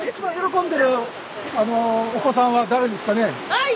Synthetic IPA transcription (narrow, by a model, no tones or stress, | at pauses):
it͡ɕibãjo̞ɾo̞kõ̞nd̪e̞ɾɯ̟ | anoːko̞s̬ãβad̪aɾe̞d̪e̞sɨ̥kane̞